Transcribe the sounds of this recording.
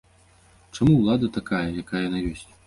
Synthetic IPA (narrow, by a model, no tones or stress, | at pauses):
t͡ʂamuwlˠad̪ɐt̪akajɐjakajɐnajɔsʲt͡sʲ